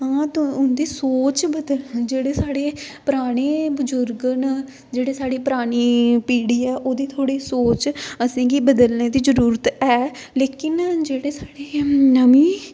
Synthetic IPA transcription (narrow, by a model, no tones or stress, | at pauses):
ɦãːt̪ʊnd̪iːsoːt͡ʃbəd̪əld͡ʒeːɽeːsaːɽeːpəɾaːɽ̃eːbəzʊɾɡn | d͡ʒeːɽeːsaːɽiːpəɾaːɽ̃iːpiːɽiːɛːʔoːd̪iːt̪ʰoːɽiːsoːt͡ʃəsãːɡiːbəd̪əlneːd̪iːzəɾuːɾət̪ɛː | leːkɪnd͡ʒeːɽeːsaːɽeːnəmiː